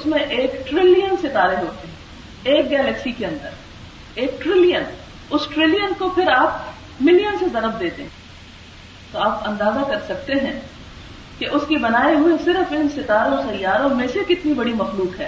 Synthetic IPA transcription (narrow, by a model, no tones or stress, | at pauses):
ʊsmẽʔeːkʈɾɪlijənsɪt̪aːɾeɦoːt̪eɦɛ̃ | eːk̚ɡɛːlɛksikeɐ̃nd̪əɾ | eːk̚ʈɾɪlijən | ʊsʈɾɪlijənkopʰɪɾaːp̚ | mɪlijənsezɐɾəb̚d̪eːt̪eɦɛ̃ | t̪oaːpɐ̃nd̪aːzakɐɾsɐk̚t̪eɦɛ̃ː | keʔʊskibɐnaːeɦuesɪɾəfɪnsɪt̪aːɾõxɐjaːɾõmẽsekɪt̪nibɐɽimɐxluːkɦɛː